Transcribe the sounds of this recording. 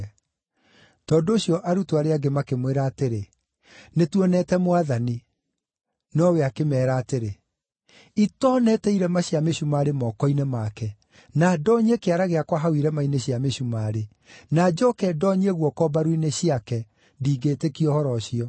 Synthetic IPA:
tɔːndoːɕijɔʔaɾutoaɾeaɡemakemweɾaːteɾe | netwɔnɛtɛmowaðani | nɔweakemɛːɾaːteɾe | itɔːnɛtɛiɾɛmaɕiameɕumaːɾemɔːkɔinemakɛ | nadɔːɲekeaɾaɣeakwaɦawiɾɛmaineɕiameɕumaɾe | nad͡ʑɔkɛdɔɲeɣwɔkɔbaɾwineɕiakɛ | ndiːɡetekiɔhɔɾɔɕiɔ

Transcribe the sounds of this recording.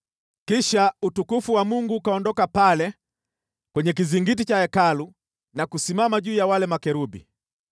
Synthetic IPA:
kiʃautukufuwamuŋɡuːkaɔndɔkapalɛ | kwɛɲɛk̬iziŋɡit̬it͡ʃaɛkalu | nakusimamaʄuːjawalɛmakɛɾubḭ

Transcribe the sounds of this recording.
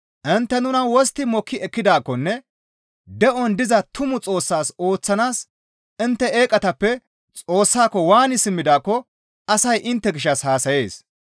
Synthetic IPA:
ʔɪnt̪ːɛnʊnɐwɔst̪ɪmɔkːɪɛkːɪd̪aːkːɔnːɛ | d̪ɛʔɔnd̪ɪzɐt̪ʊmʊt͡sʼo̞ːsːaːso̞ːt͡sːɐnaːs | ɪnt̪ːɛeːkʼɐt̪ɐpːɛ | t͡sʼo̞ːsːaːkːɔwaːnɪsɪmːɪd̪aːkːɔ | ɐsɐjʔɪnt̪ːɛɡɪʃːɐshaːsɐje̞ːs

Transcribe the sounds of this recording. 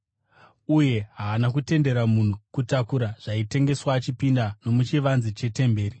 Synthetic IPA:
uje̞ɦaːnak̬ute̞nde̞ɾamun̤ukutakuɾaʐ̥aite̞ŋɡe̞swaːt͡ʃipindano̞mut͡ʃiʋanzit͡ʃe̞te̞mbe̞ːri

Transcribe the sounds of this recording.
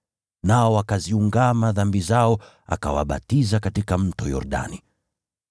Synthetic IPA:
naɔwakaziuŋɡamaðambizaɔ | a̰kawa̰ɓa̰tizakatikam̩tɔjɔ̰ɾɗa̰ni

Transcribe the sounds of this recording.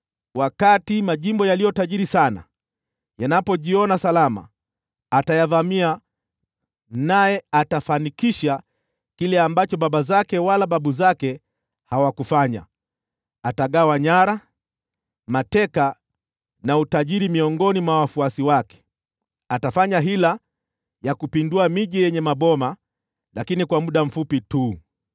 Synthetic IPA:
wakatimaʄimbɔjalijɔtaʄiɾisana̰ | janapɔʄiɔnasalama̰ː | tajaðamia | najɛatafanikiʃa | kilɛambat͡ʃɔɓaɓazakɛwalaɓaɓuzakɛ | hawakufaɲa̰ | ataɠawaɲaɾa | matɛka | nautaʄiɾimiɔŋɡɔnimwawafuasiwakɛ̥ | atafaɲaɦila | jakupinduamiʄijɛɲɛmaɓɔma | lakinikwamuɗam̩fupituː

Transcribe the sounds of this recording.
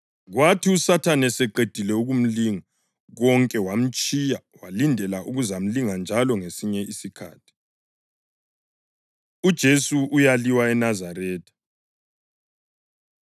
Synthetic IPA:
ɣwatʰiusatʰanɛsɛǃed̥ʱilɛuɣum̩liŋa | ɣɔŋkʼɛwam̩t͡ʃʼija | walindʱɛlaʔuɣuzam̩liŋand͡ʒʱalɔŋesiɲɛisikʰa̰ːtʰi̥ | ud̥ʒ̥ʱesuujaliwaɛnazarɛːtʰḁ

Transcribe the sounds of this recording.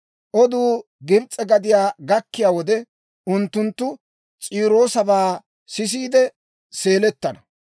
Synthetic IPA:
ʔɔd̪uː | ɡɪbt͡sʼːɛɡɐd̪ɪjaːɡɐkːɪjaːwɔd̪ɛ | ʔʊnt̪ːʊnt̪ːʊ | t͡sʼiːɾo̞ːsɐbaː | sɪs̬iːd̪ɛ | se̞ːlɛt̪ːɐnɐ

